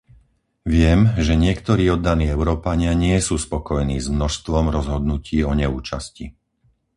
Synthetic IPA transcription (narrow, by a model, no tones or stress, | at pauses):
ʋɪɛmʒɛɲɪɛkt̪ɔɾiːɔd̪ːaniːɛʊɾɔːpaɲɪaɲɪɛsuːspɔkɔjniːzmnɔʃst̪ʋɔmɾɔzɦɔd̪nuciːɔɲɛuːt͡ʃascḭ